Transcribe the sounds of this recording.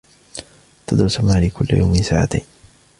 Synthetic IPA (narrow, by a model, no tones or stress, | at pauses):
t̪ad̪ɾʊsamaːlikʰʊlːa̰ja̰wmɪnsaːʕa̰t̪ajn